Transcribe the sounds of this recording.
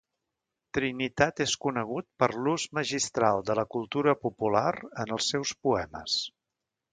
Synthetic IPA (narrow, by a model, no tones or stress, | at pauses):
t̪ɾinit̪at̪eskunəɣ̞ut̪̚pəɾluzməʒist̪ɾalˠd̪ələkulˠt̪uɾəpupulaɾənəlˠsːɛwspuɛmə̰s